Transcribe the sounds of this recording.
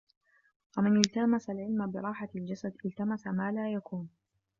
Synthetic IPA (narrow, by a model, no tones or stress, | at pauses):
wamɪnɪlt̪amasalʕɪlmabɪɾˤɑːħald͡ʒasad̪ʔɪlt̪amasamaːlaːjakuːn